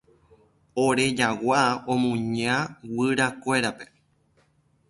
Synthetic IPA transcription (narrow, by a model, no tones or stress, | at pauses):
oɾe̞d͡ʒawaõmũɲãwɨɾakʷe̞ɾape̞̥